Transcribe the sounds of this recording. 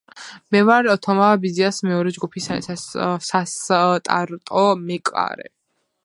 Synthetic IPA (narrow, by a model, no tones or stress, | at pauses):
mɛvaɾɔt̪ʰɔmabiziasmɛɔɾɛd͡ʒɡupʰisasast̪ʼa̰ɾt̪ʼɔmɛkʼa̰ɾɛ̰